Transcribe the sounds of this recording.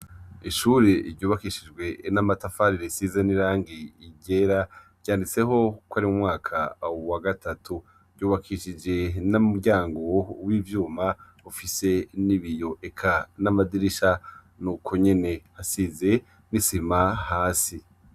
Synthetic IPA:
iʃuːɾeɾɟuːβakiʃid͡ʒɡwe̞namatafaɾiɾesizeniɾaːŋɡiːɟeɾa | ɟjaːndit͡se̞ɦo̞kwaɾimumŋaːkʰawaɡatʰatʰu | ɾjuːβakʰiʃid͡ʒe̞namuɟaːŋɡo̞wiːvjuːma | ufise̞niβijo̞ʔekʰanamadiɾiʃa | nuːkʰo̞ɲe̞ne̞hasize̞ | nisimahaːsi

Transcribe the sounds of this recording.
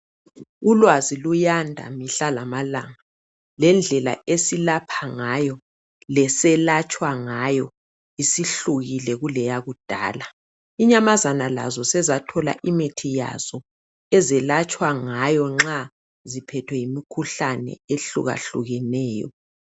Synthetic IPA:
ulwazilujandʱa̰miɬalamalaŋa | lɛnd͡ɮʱɛla̰esilapʰaŋajɔ | lɛsɛlat͡ʃʼwaŋajɔ | isiɬuɣilɛɣulɛjaɣud̥ʱa̰ːla | iɲamazanala̰zɔsɛzatʰɔla̰ʔimetʰija̰z̥ɔ | ɛzɛlat͡ʃʼwaŋajɔŋ͡ǁa | zipʰɛtʰwɛjimikʰuɬanɛ̰eɬṵɣa̰ɬuɣɛnɛːjɔ̰

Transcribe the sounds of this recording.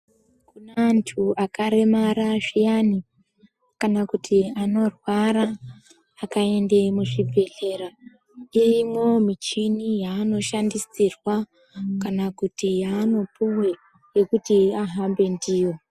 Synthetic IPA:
kunentʰuakaɾe̞maɾaʐijani | kanakutʰiano̞rwaɾaː | kae̞nde̞muʐib͡vʱe̞ɮe̞ɾa | iimwo̞mit͡ʃinijaːno̞ʃandisirwa | kanakutijaːno̞puwe̞ | je̞kutiaɦambe̞ndiːjo̞

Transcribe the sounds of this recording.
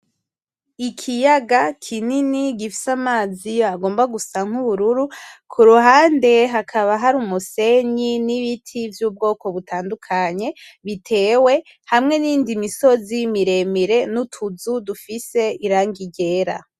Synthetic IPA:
ikʰijaɡakʰininiɡifi̥samaːzijoaɡo̞ːmbaɡusaŋ̥huβuɾuɾukʰuɾuɦaːnde̞ɦakʰaβaɦaɾuːmuse̞ɲiniβitʰivjuːb̚ɡo̞ːko̞βutʰaːndukʰaɲe̞ | βitʰe̞ːwe̞ | hamŋe̞niːndimiso̞zimiɾe̞miɾe̞nutʰuzudufise̞iɾaːŋɡiɟe̞ːɾa̰

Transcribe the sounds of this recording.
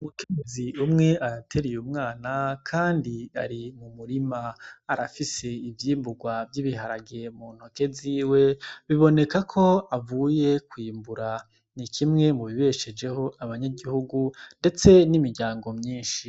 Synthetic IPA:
umukeɲeziumŋe̞aɾatʰe̞ɾijumŋaːnakʰaːndia̰ɾimumuɾimaːɾafise̞ivjiːmbuɡwavjiβiɦaɾaɡemuːn̥hoke̞ziːwe̞βiβo̞ne̞kakʰo̞avuːje̞kwiːmbuɾa | nikʰimŋe̞muβiβeʃe̞d͡ʒe̞ho̞aβaɲaɟihuɡunde̞t͡se̞nimiɾɟaːŋɡo̞mɲiːnʃi

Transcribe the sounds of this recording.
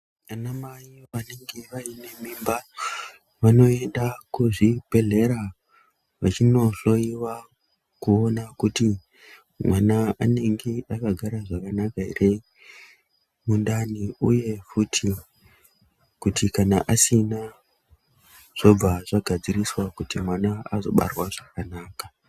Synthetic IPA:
anamaiʋane̞ŋɡe̞ʋaine̞mimba | ʋano̞e̞ndakuʐibʱe̞ɮe̞ɾa | ʋat͡ʃino̞ɬo̞jiwa | kuo̞nakuti | mwanaane̞ŋɡe̞ʔakaɡʱaɾaʐakanakaḭre | mundaniuje̞futʰi | kutikanaʔasina | ʐ̥o̞b͡vaʐaɡʱad͡ziriswakutimwanaazo̞ɓa̰rwaʐ̥akanaːka

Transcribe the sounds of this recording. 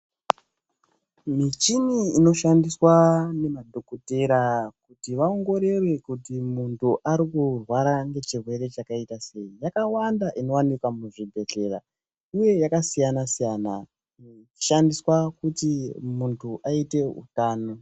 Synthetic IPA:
mit͡ʃiniino̞ʃandiswane̞madʱo̞kote̞ɾakutiʋaoŋɡo̞ɾe̞rwe̞kutimuntʰuʔaɾikurwaɾaŋɡe̞t͡ʃirwe̞ɾe̞t͡ʃakaitase̞ijakawandaʔino̞wanikwamuʐibʱe̞ɮe̞ra̰ | uje̞jakasijanasijana | t͡ʃi̥ʃandiswakutimuntʰuʔaite̞ṵtaːno̞

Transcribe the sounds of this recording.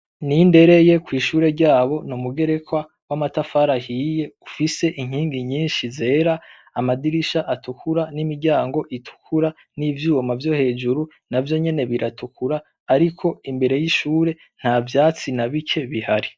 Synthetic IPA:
ninde̞ɾe̞je̞kwiːʃuːɾe̞ɾɟaːβo̞numuɡe̞ɾe̞kwa | wamatafaɾahije̞ufise̞ʔiŋ̥iːŋɡiɲiːnʃize̞ːɾaː | madiɾiʃaʔatukʰuɾanimiɾɟaːŋɡo̞ʔitʰu̥kʰuɾa | nivjuːwomavjo̞he̞ːd͡ʒuɾu | navjo̞ɲe̞ne̞βiɾatʰukʰuɾaː | ɾikʰo̞imbe̞ɾe̞jiʃuːɾe̞ | n̥haːvjaːt͡sinaβikʰe̞βihaɾi

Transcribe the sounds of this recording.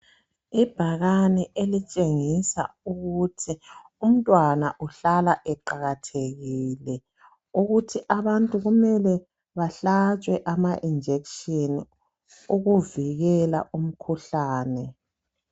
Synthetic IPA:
ib̥ʱaɣanɛʔelit͡ʃʼeŋisa̰uɣutʰi | um̩tʼwanaʔuɬalaʔɛǃaɣatʰeɣiːlɛ | uɣutʰiʔaβantʼuɣumɛlɛ | βaɬat͡ʃʼwɛʔamaʔind͡ʒʱekʃini | uɣuviɣɛla̰ʔum̩kʰuɬaːnɛ

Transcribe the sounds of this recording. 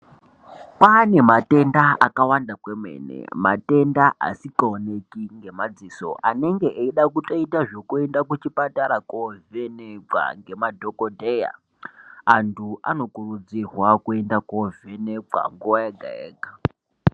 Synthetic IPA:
pane̞mate̞ndaakawandakwemwe̞̰ːnḛmate̞ndaʔa̰sikaone̞kiŋɡe̞mad͡ziːso̞̰ʔane̞ŋɡe̞ʔeiɗakutoitaʐo̞kue̞ndakut͡ʃipataɾakoveneka̰ŋɡe̞madʱokodʱeja̰ | antʰua̰no̞kurud͡zirwakue̞ndakove̞neka̰ŋɡuʋajaɡʱa̰ḛːɡa

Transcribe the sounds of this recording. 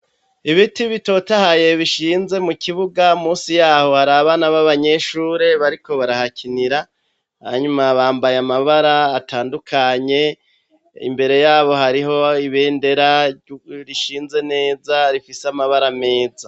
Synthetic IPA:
iβitiβito̞tahaje̞βiʃiːnze̞mukiβuɡamuːsijaːho̞haɾaβanaβaβaɲe̞ʃuːɾe̞βaɾiko̞βaɾahacʰiniɾa | ha̰ɲumaβaːmbajamaβaɾaːtaːndukʰaɲe̞ | ḭmbe̞ɾe̞jaːβo̞haɾiɦo̞iβe̞ːnde̞ɾa | ɾiʃiːnze̞ne̞ːzaɾifiseamaβaɾame̞ːza

